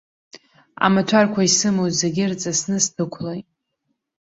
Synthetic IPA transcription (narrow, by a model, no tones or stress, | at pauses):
a̰matʷʰarkʷʰaisɨmowzzeɡʲɪrt͡sʼasnɨstʰɨkʷʰlojʼ